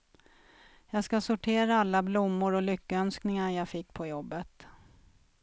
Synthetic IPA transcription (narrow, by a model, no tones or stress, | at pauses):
jɑːɡskasʊʈʰeːɾaalːablʊmːʊɾɔlʏkːəœnsknɪŋaɾjaːfɪkːpʰɔjɔbːət̪